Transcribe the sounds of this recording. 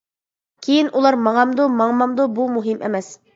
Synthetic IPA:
kʰijɘnʔulˠɑɾmɑɴɑmd̪umɑɴmɑmd̪obumɵɦimʔæmæs

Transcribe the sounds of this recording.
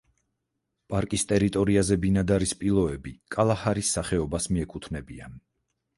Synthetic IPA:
pʼaɾkʼist̪ʼɛɾit̪ʼɔɾiazɛbinad̪aɾispʼilˠɔɛbikʼalˠahaɾisːaχɛɔbasmiɛkʼut̪ʰnɛbian

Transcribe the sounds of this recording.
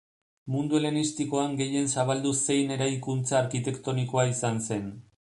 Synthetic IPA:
mund̪uelenist̪iko̞aŋɡe̞je̞nsaβald̪use̞jne̞ɾajkunt͡saːɾkit̪e̞kt̪o̞niko̞aisanse̞n

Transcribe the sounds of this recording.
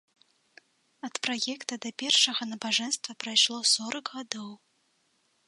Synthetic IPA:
ɐt̪pɾajɛkt̪ɐd̪ɐpʲɛrʂɐɣɐnɐbaʐɛnst̪vɐpɾajʂlˠɔsɔɾɐɡɣad̪ɔw

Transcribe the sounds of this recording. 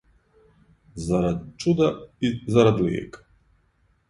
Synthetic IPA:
zaɾad̪t͡ʃʼud̪aizaɾad̪lḭɛ̰k

